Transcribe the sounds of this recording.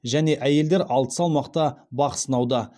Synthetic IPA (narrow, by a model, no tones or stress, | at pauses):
ʒæne̞ʔæje̞ld̪eɾɑlˠt̪ə̥sɑlˠmɑqt̪ɑbɑqə̥sənɑwd̪ə